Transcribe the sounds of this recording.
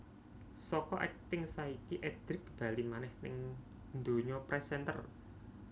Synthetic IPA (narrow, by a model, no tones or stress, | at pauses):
sɔkɔʔɛk̚t̪ɪŋsaikiʔɛd̪̥ɾɪk̚b̥ä̤limanɛhnɪ̰ŋ | nd̪o̤ɲɔpɾɛsɛnt̪ər